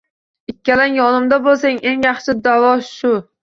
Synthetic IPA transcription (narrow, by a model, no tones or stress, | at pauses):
ɪkʲʰːalanjɒnɪmd̪abolˠsaŋe̞ŋjɑχʃɪd̪avɒʃʊ